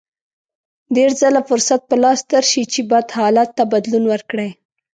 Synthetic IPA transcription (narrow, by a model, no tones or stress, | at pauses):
d̪eɾzəlafʊɾsat̪̚pəlɑst̪əɾʃit͡ʃebad̪hɑlat̪ːabad̪lunwəɾkɽəj